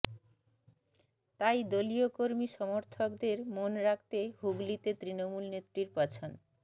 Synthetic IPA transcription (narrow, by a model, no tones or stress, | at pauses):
t̪ajd̪oliokoɾmiʃɔmoɾt̪ʰokd̪eɾmonɾak̚t̪ehuɡlit̪et̪ɾinomulnet̪ːɾiɾpat͡ɕʰon